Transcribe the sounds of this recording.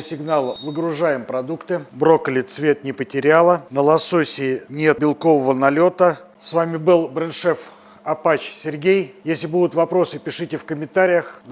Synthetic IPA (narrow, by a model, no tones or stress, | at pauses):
sʲɪɡnalˠvəɡɾʊʐajɪmpɾɐd̪ukt̪ɨbɾo̞kəlʲɪt̪svʲe̞t̪nʲɪpətʲɪɾʲalˠənəlˠɐsosʲɪːnʲet̪̚bʲɪlˠko̞vəvənɐlʲo̞t̪ə | svamʲɪbɨlˠbɾɨnʂɛf | ɐpat͡ɕsʲɪrɡʲejjesʲlʲɪbud̪ʊt̪vɐpɾo̞sɨpʲɪʂɨtʲɪfkəmʲɪnt̪aɾʲɪjəxn